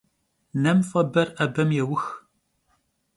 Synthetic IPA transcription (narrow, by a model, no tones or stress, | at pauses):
nɐmfɐbɐrʔɐbɐmjɛwʊx